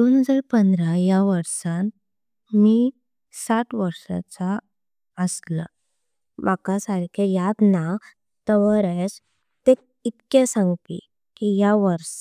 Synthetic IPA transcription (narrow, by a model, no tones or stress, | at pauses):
d̪onɦəd͡zaɾpənd̪ɾajaʋəɾsãn | mi | saʈʋəɾsa̰t͡sa | əsla | bakasaɾkʰejat̪na | t̪əʋəɾəjs | t̪ek | it̪kesãŋɡpḭ | kijaʋəɾs